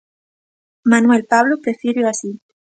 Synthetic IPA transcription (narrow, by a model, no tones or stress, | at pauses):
manwelpaβlopɾefiɾjoasi